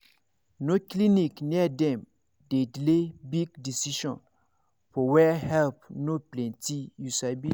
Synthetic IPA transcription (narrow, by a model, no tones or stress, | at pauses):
noklinikniədɛ̃m | dedlebiɡdisiʃɔ̃n | fɔwɛhɛlpnoplɛ̃ntijusabi